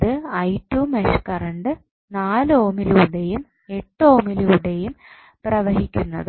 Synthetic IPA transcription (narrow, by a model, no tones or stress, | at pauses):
ðɨɐjtːuːmeʂkɐrɐɳɖɨ | naːloːmiluɽejum | e̞ʈːo̞ːmiluuɽe̞jum | prɐʋɐɦikʲːunːɐðɨ